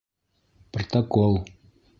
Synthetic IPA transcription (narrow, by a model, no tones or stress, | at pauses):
prot̪ɐkolˠ